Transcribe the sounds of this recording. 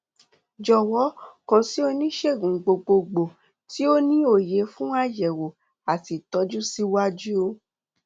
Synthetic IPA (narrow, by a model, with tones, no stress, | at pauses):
d͡ʒɔ˨wɔ˨˦kã˧si˦o˧nĩ˦ʃe˦˨ɡũ˨ɡ͡bo˧ɡ͡bo˧ɡ͡bo˨ | ti˦o˦nĩ˦o˦˨je˨˦fũ˦a˦jɛ˨wo˨ | a˨ti˨tɔ˨˦d͡ʒu˦si˧˦wa˦d͡ʒu˦o˧